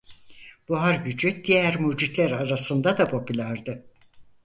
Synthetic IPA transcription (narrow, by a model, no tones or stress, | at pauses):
b̥uɦaɾbyd͡ʒyt̪̚d̪ijæɾmud͡ʒit̪lʲæɾaɾasɯnd̪ad̪apʰo̞pʰylʲæɾd̪ɯ